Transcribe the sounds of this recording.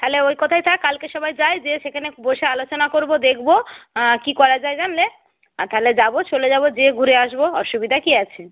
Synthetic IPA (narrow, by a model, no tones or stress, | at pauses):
t̪aɦeleojkɔt̪ʰajt̪ʰakːalkeʃɔbajd͡ʑajd͡ʑeʃekʰaneboʃealot͡ɕonakoɾbod̪ekʰbokikɔɾad͡ʑajd͡ʑanle | t̪aɦled͡ʑabot͡ɕoled͡ʑabod͡ʑeɡʱuɾeaʃboɔʃubid̪ʱakiat͡ɕʰe